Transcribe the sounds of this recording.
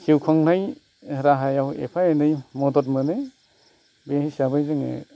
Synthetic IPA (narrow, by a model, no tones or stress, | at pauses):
siwkʰɔŋnaj | ɾaɦajawḛpʰajenɯjmɔdɔtmɯne | behisabajzɯŋḛ